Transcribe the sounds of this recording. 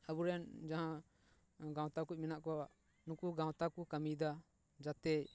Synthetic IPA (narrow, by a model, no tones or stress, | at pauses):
abuɾɛnd͡ʒaɦã | ɡãw̃t̪akuc̚ˀmɛnaʔkɔaaʔ | nukuɡãw̃t̪akukamid̪a | d͡ʒat̪ɛ